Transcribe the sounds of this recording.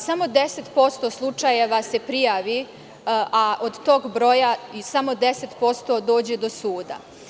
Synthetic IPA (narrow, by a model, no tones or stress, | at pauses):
samo̞d̪eset̪po̞st̪o̞ːslˠut͡ʃaje̞ʋase̞pɾijaːʋi | ʔaʔod̪t̪o̞ːɡbɾo̞jaisamo̞d̪ese̞t̪po̞st̪o̞d̪o̞ːd͡ʑe̞d̪osuːd̪a̰